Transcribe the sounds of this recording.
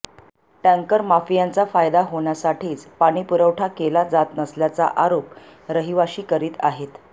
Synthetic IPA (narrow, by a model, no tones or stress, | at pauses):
ʈãŋkəɾmafijant͡safajd̪aɦoɳjasaʈʰiːt͡spaɽ̃iːpuɾəwʈʰakelad͡zat̪nəsljat͡sa̰ʔaɾop | ɾəɦiʋaɕiːkəɾiːt̪aɦet̪